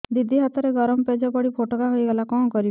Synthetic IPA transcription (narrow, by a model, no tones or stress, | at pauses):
d̪id̪ʱiɦat̪ɔɾeɡɔɾɔmɔped͡ʒɔpɔɽipʰoʈɔkaɦujɡelakɔ̃kɔɾi